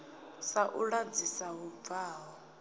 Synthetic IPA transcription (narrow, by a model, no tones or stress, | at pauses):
saʔuɺad͡zisaɦub̪vaːɦɔ